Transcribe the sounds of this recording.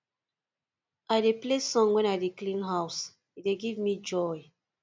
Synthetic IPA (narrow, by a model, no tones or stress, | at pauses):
ʔaɪdeplesɔ̃ŋwɛ̃naɪdeklĩnɦaʊs | ideɡivmid͡ʒɔj